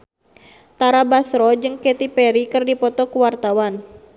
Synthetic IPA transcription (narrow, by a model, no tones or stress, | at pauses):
t̪aɾabasɾɔd͡ʒɨŋkɛt̪ipɛɾikɨrdipɔt̪ɔkuwart̪awan